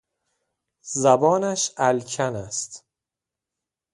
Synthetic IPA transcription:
zæbɒːnæʃælcʰænæst̪

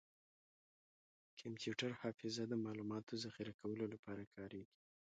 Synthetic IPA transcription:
kʰampjuʈaɾhɑfɪzad̪əmɑlumɑt̪ozaxɪɾakawəlolapɑɾakʰɑɾeɡi̥

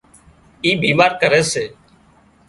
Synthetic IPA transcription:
iːbiːmaːɾkəɾeːseː

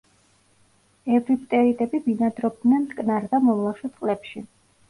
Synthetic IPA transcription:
ɛvɾipʼt̪ʼɛɾit̪ʼɛbibinad̪ɾɔb̚d̪nɛnkʼnaɾd̪amɔvlˠaʃɛt̪ʼqʼlɛpʃi

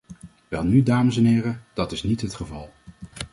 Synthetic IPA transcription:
ʋɛlˠnydaːməsɛnɦɪːrəd̥ɑtɪsnitɦətχəvɑlˠ

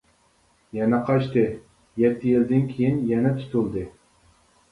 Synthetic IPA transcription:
jɛnɛqʰɑʃt̪ɨ | jɛt̪ʰːjild̪ɪnkʲʰijinjɛnɛt̪ʰy̥t̪ʰulˠd̪ɨ

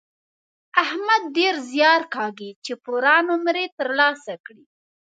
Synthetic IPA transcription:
ahmad̪̚ːeɾzjɑɾkɑɡit͡ʃepoɾɑnomɾet̪əɾlɑsakɽi

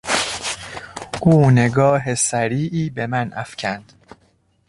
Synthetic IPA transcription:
ʔuːne̞ɡɒːɦesæɾiːʔiːbe̞mænʔæ̰fcʰænd̪̥

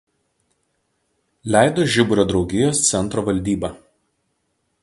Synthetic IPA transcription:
lʲæˑɪd̪oːʒʲɪbʊɾʲoːd̪ɾɒʊɡʲɪjoːst̪sʲɛnt̪ɾoʋɐlʲd̪ʲiːbɑː

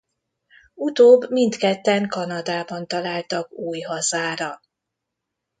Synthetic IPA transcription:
ut̪oːbːmint̪kɛt̪ːɛŋkɒnɒd̪aːbɒnt̪ɒlaːlt̪ɒkuːjɦɒzaːɾɒ

